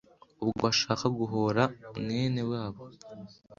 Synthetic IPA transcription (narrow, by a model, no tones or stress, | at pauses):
uβɡo̰βaʃaːkaɡuɦoɾamŋe̞ːne̞waːβo